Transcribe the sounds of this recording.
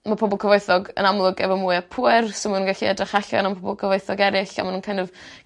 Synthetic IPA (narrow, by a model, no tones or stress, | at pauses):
mapʰɔbɔlˠkʰɔvojθɔɡə̰namlˠʊɡɛvɔmuːɨapʰuɨrsomununɡaɬiɛdrɪχaɬɔ̰nampʰɔbɔlˠkʰəvojθɔɡɛɾɪɬa̰manuːnkʰanɪv